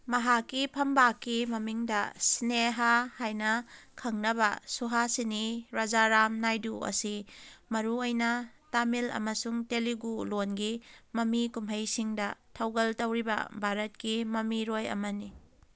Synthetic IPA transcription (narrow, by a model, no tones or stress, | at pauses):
mɐɦakːipʰɐmbakːimɐmiŋdɐsineɦahajnɐkʰɐŋnɐβɐsuɦasiniɾad͡ʒaɾamnajduɐ̰simɐɾuojnɐtamilɐ̰mɐsuŋteliɡulonɡimɐmikumɦɐjsiŋdɐtʰɐwɡɐltɐwɾibɐ̰bʱaɾɐt̚kimɐmiɾojɐ̰mɐni